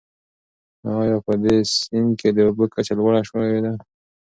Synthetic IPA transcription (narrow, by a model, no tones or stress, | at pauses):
ɑjɑpəd̪esɪnked̪əbəkat͡ʃalwaɽaʃwed̪a